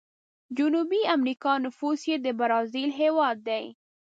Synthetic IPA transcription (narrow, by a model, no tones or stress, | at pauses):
d͡ʒʊnubiamɾikɑnʊfusjed̪əbaɾɑzilɦewɑd̪̚ːaj